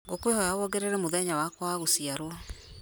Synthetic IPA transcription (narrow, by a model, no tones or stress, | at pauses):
ɡokwehɔjawɔɡɛɾɛɾɛmoðɛɲawakwaɣosiaɾwɔ